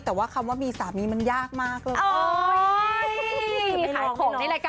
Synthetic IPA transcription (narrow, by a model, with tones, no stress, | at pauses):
t̪ɛː˨˩waː˥˩kʰa˧mwaː˥˩miː˧saː˩˦miː˧ma˧njaː˥˩k̚maː˥˩k̚lɤː˧ʔoː˧˩˧ | kaː˨˩˦wkʰɔː˨˦na˥˩laː˧˦kaː